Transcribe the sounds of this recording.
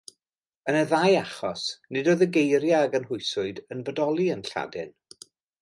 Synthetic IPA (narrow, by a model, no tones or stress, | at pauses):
ənəðaːjaχɔsnɪdoːðəɡejɾjaːɡənɦʊjɨsʊɨdənbədɔlˠiənɬa̰dɪn